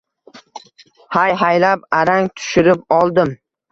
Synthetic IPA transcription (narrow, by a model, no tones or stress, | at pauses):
hajɦajlapaɾaŋt̪ʰʊ̥ʃɪɾɪpɒlˠd̪ɪm